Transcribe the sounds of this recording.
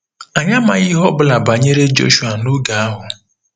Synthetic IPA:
a˨ɲa˦ma̰˨ɣi˦ɦɔ˦bʊ˦la˨ba˨ɲe˦ɾe˦d͡ʒo̰˦ʃu˨a˨no˦ɡa˨a˦ɦʊ˨

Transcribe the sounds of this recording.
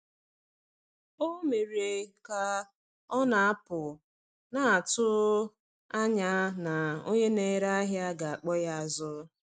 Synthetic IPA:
o˦me˨ɾe˨ka˨ | ɔ˦na˨a˦pʊ˨ | na˨a˨tʊ˦ | a˦ɲa˦na˨o˦ɲe˦ne˨˦ɾa˦ɦja˦ɡa˨a˨k͡pɔ˦ja˦˨zʊ˦

